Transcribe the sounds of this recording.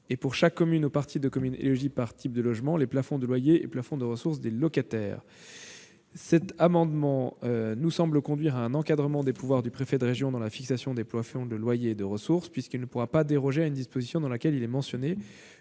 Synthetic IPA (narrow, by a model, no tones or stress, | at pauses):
epuʁʃakːɔmynopaʁt̪ʰid̪əkɔmynḛlɔʒipaʁt̪ʰip̚d̪əlɔʒmɑ̃leplafɔ̃d̪əlwajeḛplafɔ̃d̪əʁəsuʁs̬d̪elɔkat̪ɛ̰ːʁ | sɛt̪amɑ̃d̪mɑ̃ønusɑ̃bləkɔ̃d̪ɥiʁaɛ̃nɑ̃kad̪ʁəmɑ̃d̪epuvwaʁd̪ypχefɛd̪əʁeʒjɔ̃d̪ɑ̃lafiksasjɔ̃d̪eplwafɔ̃d̪əlwajeːd̪əʁəsuʁspɥiskilnəpuʁapad̪eʁɔʒeaynd̪ispozisjɔ̃d̪ɑ̃lakʲɛlilɛmɑ̃sjɔne